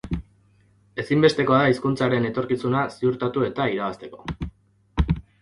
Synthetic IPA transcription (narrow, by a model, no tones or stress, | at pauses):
e̞simbe̞st̪e̞ko̞aðaiskunt͡saɾe̞ne̞t̪o̞ɾkisunasiuɾt̪at̪ue̞t̪aiɾaβast̪e̞ko̞̥